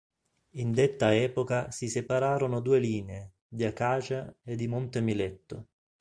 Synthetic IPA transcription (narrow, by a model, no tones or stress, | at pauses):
ind̪et̪ːaɛːpokasisepaɾaːɾonʊd̪uːeliːnee | d̪iakaːt͡ʃaed̪ːimont̪emilɛt̪ːʊ